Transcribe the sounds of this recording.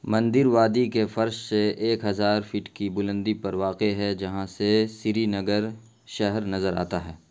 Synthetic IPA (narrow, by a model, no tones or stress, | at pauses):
mɐ̃nd̪ɪɾʋaːd̪ikefɐɾʃseeːkɦɐzaːɾfɪʈkibʊlə̃nd̪ipɐɾʋaːqeɦɛd͡ʒɐɦãsesɪɾinɐɡəɾ | ʃɛɦɛɾnɐzəɾa̰ːt̪aɦɛː